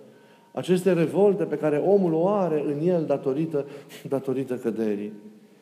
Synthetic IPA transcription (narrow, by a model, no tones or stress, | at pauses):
a̰t͡ʃe̞st̪e̞ɾe̞vo̞lt̪e̞pe̞kaɾe̞ʔo̞muloaɾe̞ʔɨnje̞ld̪at̪o̞ɾit̪əd̪at̪o̞ɾit̪əkəd̪e̞ɾi